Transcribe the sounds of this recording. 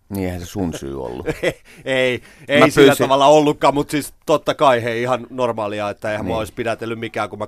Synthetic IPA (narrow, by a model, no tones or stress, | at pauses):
niehæ̃nsesunsy̰ːo̰lːu | ei | eisːæt̪ɑʋɑlːɑolːukːɑːmmut̪sist̪ot̪ːɑkɑiheiihɑnnormɑːliɑet̪ːæeihæmmuæoispidæt̪elːymmikæːkumæ